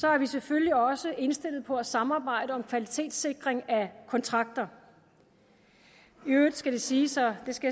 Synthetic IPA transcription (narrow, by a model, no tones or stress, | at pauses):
sɒ̽æɐʋisefølliɒ̽səʔe̝nsd̥e̝l̰ð̩ˠpʰɒ̽æsɑ̈mɑ̈ːb̥ɑ̈ɪ̰d̥əɒ̽mkʰʋælit͡sʰe̝̰ːd̥se̝ɡ̥ʁeŋækʰɒ̽nt͡sʰʁɑ̈ɡ̥̚d̥ɐ | iød̥sɡ̥æɾ̥esiːsɒd̥e̝sɡ̥æ